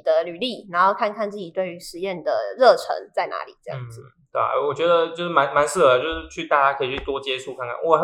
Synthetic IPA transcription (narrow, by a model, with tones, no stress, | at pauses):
d̪ə˦ly˨˩li˥˩na˧˥nxo˥˧ʊkʰa˥˧nkʰa˥˧nt͡sɹ̩˥˩t͡ɕi˨˩t̪we˥˩ɪy˧˥ʂɻ̩˧˥jɛ˥˩nd̪ə̰˩ɻɤ˥˨˩ʈ͡ʂʰɤ̰˧˥ŋt͡sa˥˩ɪna̰˧˥lḭ˨˩˦ʈ͡ʂɤ˥˧jɑ̰˧˥˧ŋd͡z̩˩ | t̪we˥˩wɔ˨˩t͡ɕɥɛ˧˥d̪ə˨t͡ɕjo˥˧ʊʂɻ̩˥˩ma˧˥nma˧˥ns̩˥˩ə˩t͡ɕjo˥˧ʊʂɻ̩˥˩t͡ɕʰy˥˧t̪a˥˧t͡ɕja˥kʰɤ˧˥i˨˩t͡ɕʰy˥˩t̪wɔ˦˥t͡ɕjɛ˥ʂu˥˧kʰa˥˧nkʰa̰˥˩nwʔɔ˨˩˦